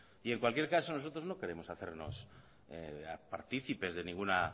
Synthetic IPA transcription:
ie̞ŋkwalkje̞ɾkaso̞no̞so̞t̪ɾozno̞ke̞ɾe̞mo̞saθe̞̰ɾno̞̰s | ea̰paɾt̪iθipe̞zðe̞nĩŋɡuna

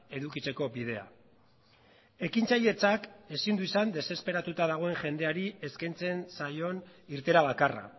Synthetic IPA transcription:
e̞ðukit͡se̞ko̞bið̞e̞a̰ | e̞kint͡saʎe̞t͡sake̞sind̪uisand̪e̞se̞spe̞ɾat̪ut̪aðaɣ̞o̞e̞ŋʝe̞nd̪e̞aɾie̞skajnt͡se̞nsajo̞niɾt̪e̞ɾaβakara̰

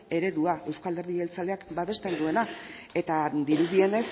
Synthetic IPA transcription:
e̞ɾe̞ðuae̞wskald̪eɾðielt͡sale̞akbaβe̞st̪e̞nd̪ue̞na | e̞t̪ad̪iɾuðie̞ne̞s

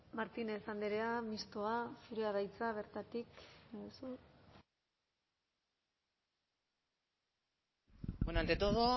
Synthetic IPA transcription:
maɾt̪inesand̪eɾeamist̪oafiɾeaðajt͡saβ̞e̞ɾt̪at̪iksu | benant̪et̪oðo

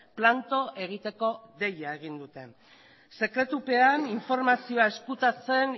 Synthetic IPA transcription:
plant̪o̞ʔe̞ɣ̞it̪e̞ko̞ðe̞jae̞ɣ̞ind̪ut̪e̞ | se̞kɾe̞t̪upe̞aniɱfo̞ɾmasio̞ae̞skut̪at͡se̞n

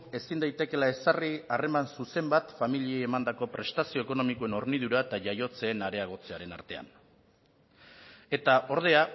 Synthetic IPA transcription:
e̞sind̪ajt̪e̞ke̞lae̞sariare̞mansuse̞mbat̪familieːmand̪ako̞pɾe̞st̪asio̞eko̞no̞mikoe̞no̞ɾniðuɾaet̪aʝajo̞t͡se̞ːnaɾe̞aɣ̞o̞t͡se̞aɾe̞na̰ɾt̪e̞a̰n | e̞t̪aʔo̞ɾð̞e̞a

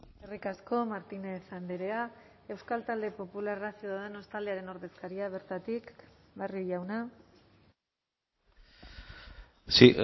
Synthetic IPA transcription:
erikasko̞maɾt̪ine̞sand̪eɾe̞a | e̞wskalt̪ald̪e̞po̞pularasioðeno̞st̪ald̪e̞aɾe̞no̞ɾðe̞skaɾiaβ̞e̞ɾt̪at̪ikbariʝawna | si

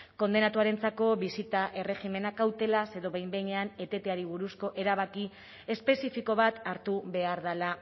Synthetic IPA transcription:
ko̞nd̪e̞nat̪uaɾe̞nt͡sako̞βisit̪aʔe̞re̞ɣime̞nakawt̪e̞lase̞ðo̞βejmbe̞jɲe̞ane̞t̪e̞t̪e̞aɾiβ̞uɾusko̞ʔe̞ɾaβ̞aki | e̞spe̞sifiko̞β̞at̪aɾt̪uβe̞aɾðala

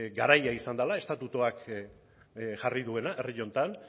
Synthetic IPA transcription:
ɡaɾajaisand̪alae̞st̪at̪ut̪oak | ʝariðue̞naʔe̞riʎo̞nt̪an

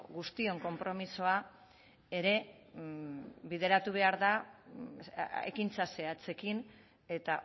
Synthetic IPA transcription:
ɣust̪io̞ŋko̞mpɾo̞miso̞a | e̞ɾe̞ | βið̞e̞ɾat̪uβ̞e̞aɾða | ḛkint͡sase̞at͡se̞kin | e̞t̪a

